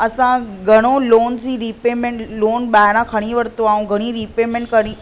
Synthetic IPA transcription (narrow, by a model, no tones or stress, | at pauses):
əsãɡʱəɽ̃oloːnsiɾipemẽɳʈloːnɓajɾãkʰəɽ̃ĩʋəɾt̪oaːũɡʱəɽ̃iɾipemẽɳʈkəɳĩ